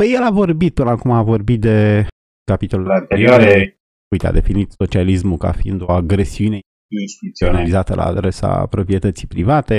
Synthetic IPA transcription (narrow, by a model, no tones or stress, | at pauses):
pəjelavo̞rbit̪̚pɨnəakumavo̞rbit̪̚d̪e̞ | kapit̪o̞lulant̪eɾiaɾe | ujt̪ea̰d̪e̞finit̪so̞t͡ʃialismuka̰fiḭnd̪oaɡɾe̞siune | inst̪iut̪sionalizat̪əlʔa̰ːd̪ɾe̞sa̰pɾo̞pɾie̞t̪ət̪sipɾivat̪e̞